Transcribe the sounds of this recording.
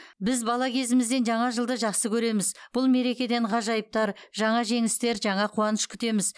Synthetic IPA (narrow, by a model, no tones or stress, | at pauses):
bɪzbɑlˠɑkʲʰe̞zɪmɪzd̪e̞nʒɑɴɑʒəlˠd̪əʒɑχsəkʲʰɵɾe̞mɪzb̥ʊlˠme̞ɾe̞kʲe̞d̪e̞ɴʁɑʒɑjəp̚t̪ɑɾʒɑɴɑʒe̞ŋɪst̪e̞ɾʒɑɴɑqʰuwɑnəʃkʲʰʏ̥t̪e̞mɪz